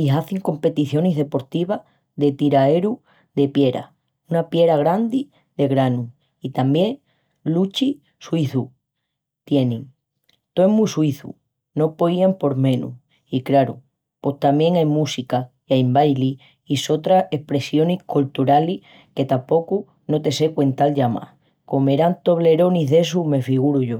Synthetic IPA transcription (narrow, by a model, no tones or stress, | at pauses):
iɦaθiŋko̞mpe̞t̪iθjo̞neɦðe̞po̞ɾt̪iβ̞a | ðe̞t̪iɾaeɾu | ðe̞pje̞ɾa̰ | unapje̞ɾaɣ̞ɾand̪i | ðe̞ɣɾanu | it̪ambje̞ŋ | lut͡ʃi | suiθu | t̪je̞nẽŋ | t̪oemusuiθṵ | no̞po̞jampo̞ɾmẽ̞nṵ | ikɾaɾṵ | po̞ht̪amje̞ŋajmusika | iajmbajli | iso̞t̪ɾae̞hpɾe̞sjo̞nihkult̪uɾalih | ke̞t̪ampo̞ku | no̞t̪e̞se̞kwe̞nt̪alʝama̰ | ko̞me̞ɾant̪o̞βle̞ɾo̞niɦðe̞s̬ume̞fiɣuɾuʝo̞